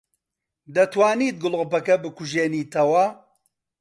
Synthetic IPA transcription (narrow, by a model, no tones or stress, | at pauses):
d̪ɐt̪waːniːt̪̚ɡʊlʁpɐkɐbɨkuʒeːniːt̪ʰɐwɐ